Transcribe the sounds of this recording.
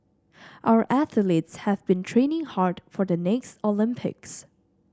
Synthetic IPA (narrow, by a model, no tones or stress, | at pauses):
ʔaʊə˞ʔæθəlitshævbĩntʰɹ̥ẽnɪ̃ŋhaɹdfɔðənɛkstolɪ̃mpʰɪ̰ks